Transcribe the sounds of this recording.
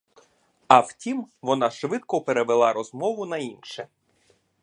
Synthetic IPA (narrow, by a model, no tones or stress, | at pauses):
ɐwtʲimʋɔnɑʃʋɪt̪kɔpeɾeʋelˠɑɾɔzmɔʋʊnɐinʃɛ